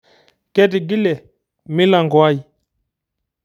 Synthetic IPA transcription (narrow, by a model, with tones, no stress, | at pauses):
kɛ˦ti˨ɡi˦lɛ˨ | mi˦la˨ŋɡɔ˨a˦i˨